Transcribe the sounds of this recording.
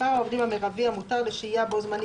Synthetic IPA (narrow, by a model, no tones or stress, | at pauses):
aovd̪imameʁaviamutaʁleʃiijabozman